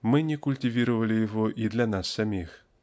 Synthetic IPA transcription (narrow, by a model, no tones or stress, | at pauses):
mɪnʲikʊlʲtʲɪʋʲiɾʊʋɐlʲˠɪjɔɦɔʔid̪lʲɐnɑsːɐmʲix